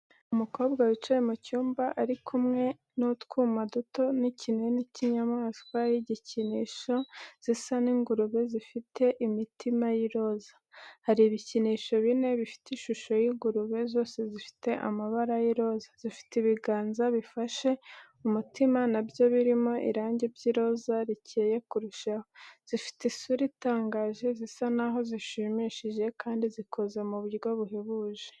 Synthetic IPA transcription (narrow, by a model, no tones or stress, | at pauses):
umuko̞ːbɡawit͡ʃajemucuːmbaʔaɾikʰumŋe̞ | notkuːmaduto̞nicʰineniciɲamaːskwajiɟiciniʃo̞z̥isaniːŋɡuɾuβe̞zifitʰe̞ʔimitʰimajiɾo̞zḁhaɾiːβiciniːʃo̞βine̞βifi̥tiʃuʃo̞jiɡuɾuβe̞zo̞ːse̞zifi̥te̞ʔa̰maβaɾajiɾo̞ːzaz̥ifi̥tiβiɡaːnzaβifaʃe̞ | umutʰimanabɟo̞βiɾimo̞ʔḭɾaːɲɟe̞bɟiɾo̞zaɾiceje̞kuɾuʃaho̞z̥ifi̥tesuɾitaːŋɡaːʒe̞zisanaɦo̞ziʃimiʃiʒe̞kʰaːndizikʰo̞ze̞muβuɾɡoβuɦeβuʒe̥